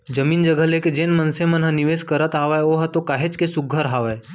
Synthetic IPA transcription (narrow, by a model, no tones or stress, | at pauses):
d͡ʒəmiːnd͡ʒəɡəleked͡ʒenmənsemənɦəniʋeːskəɾət̪aːʋajoːɦət̪okaːɦet͡ʃkesʊɡʱːəɾɦaːʋa